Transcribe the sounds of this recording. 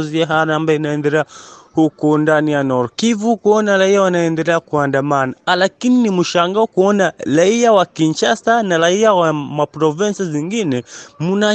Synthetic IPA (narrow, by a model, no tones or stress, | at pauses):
ziaɦaɾaambajɔinaɛndɛlɛahukɔndanijanɔɾkivukuɔnaɾaiawanaɛndɛlɛakuandamanalakininimuʃaŋɡaɔkuɔnaɾaiawakint͡ʃastanaɾaiawamapɾɔvinsiziŋɡinɛmuna